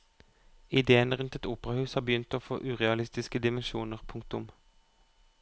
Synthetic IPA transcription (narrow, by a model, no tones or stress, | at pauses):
ɪd̪eːənəʁʉnt̪ɛt̪uːpəʁɑhʉːshɑːbəjʏnt̪oːfo̰ːʔʉːʁɛɑlɪst̪ɪskəd̪ɪmɛnʃuːnəʁpʰʊŋk̚t̪ʊm